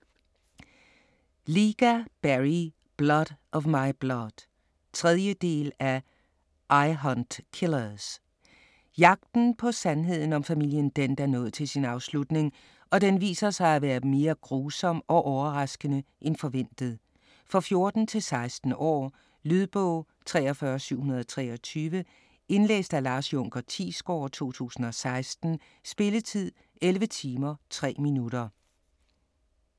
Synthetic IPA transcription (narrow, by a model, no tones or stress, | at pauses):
liːɡ̥æb̥æʁi | b̥lɒd̥ʔɒ̽ʋmɑ̈ɪb̥lɒd̥ | t͡sʰʁɛðˠjəd̥e̝̰ːlæ | ʔɑɪɦɒnd̥kʰelɐs | jɑ̈ɡ̥̚d̥n̩pʰɒ̽sænɦe̝ð̞̰ˠn̩ɒ̽mfæmil̰jənd̥end̥ɑnɔ̽ːð̩ˠt͡sʰe̝lsinɑ̈ʊslud̥ne̝ŋ | ɒ̽d̥enʋḭːsɐsɑ̈ɪæʋæːɐme̝ːɐɡ̥ʁuːsɒ̽m̰ɒ̽ʔɒʊɐʁɑ̈sɡ̥ənəʔenfɒ̽ʋen̰d̥ð̞̩ˠ | fʁɑfjo̝ɐd̥n̩t͡sʰe̝lsɑ̈ɪsd̥n̩ɒ̰ː | lyðˠb̥ɔ̰ʊ | t͡sʰʁɛːɒfɶːɐsyʊ̰hunɐð̞ˠɒt͡sʰʁɛ̰ːɒ̽t͡sʰyːʋə | e̝nlḛːsd̥ælɑ̈ːsjɔ̽ŋ̰ɡ̥ɐt͡sʰḭːsɡ̥ɒ̰ːt͡sʰo̝̰ːt͡sʰṵːsn̩ɒ̽sɑ̈ɪsd̥n̩ | sb̥e̝lət͡sʰið̞̰ˠ | ʔelʋət͡sʰiːmɐt͡sʰʁɛ̰ːminuɾɐ